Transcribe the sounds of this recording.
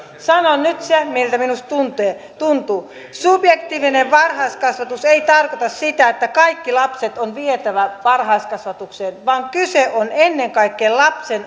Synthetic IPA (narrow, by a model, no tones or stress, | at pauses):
sɑnonnyt̪semilt̪æminust̪t̪unt̪eːt̪unt̪uː | sub̥jekt̪iːʋineʋʋɑrhɑiskɑsʋɑt̪useit̪ɑrkot̪ɑssit̪æet̪ːækɑikːilɑpset̪onʋiet̪æʋæʋɑrhɑiskɑsʋɑt̪ukseːnʋɑːŋkyseʔonenːeŋkɑikːeːllɑpsen